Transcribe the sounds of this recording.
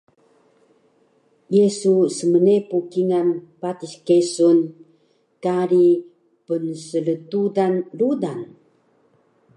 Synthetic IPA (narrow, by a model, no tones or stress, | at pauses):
jesusəmənepukiŋanpatiskesun | kaɾi | pənsələtudanludan